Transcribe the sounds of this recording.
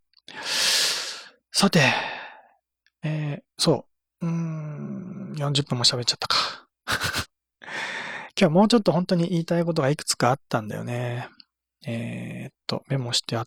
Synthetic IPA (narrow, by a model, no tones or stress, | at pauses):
sat̪e̞ | eːso̞ː | ɯ̟̃ | jõ̞ɲ̟d͡ʑɨpːɯ̃mːo̞ɕabe̞t̚t͡ɕːat̪ːḁkḁ | kʲo̞amo̞ːt͡ɕo̞t̪ːo̞hõ̞nt̪o̞ɲ̟iʔiːt̪aik̬o̞t̪o̞ɡaikɯ̥t͡sɨ̥kaːt̪ːãnd̪a̰jo̞̰ne̞ | eːt̪ːo̞̰me̞mːo̞ɕi̥t̪ea